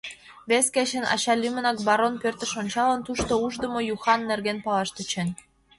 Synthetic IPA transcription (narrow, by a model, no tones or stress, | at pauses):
βesket͡ɕə̆nɑ̰ɕɑlymɘ̆ə̆nɑk̚bɑɾonpørt̪ə̆ʃonʲt͡ɕɑlə̆nt̪uʃt̪ouʒd̪ə̆mŏjuxɑnːerɣenpɑlɑʃt̪ə̆t͡ɕĕn